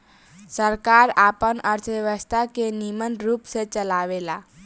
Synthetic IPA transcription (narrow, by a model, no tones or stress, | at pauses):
səɾkaɾapənəɾt͡ʃʰʋəʋəst̪ʰakenimənɾuːpset͡ʃəlaʋela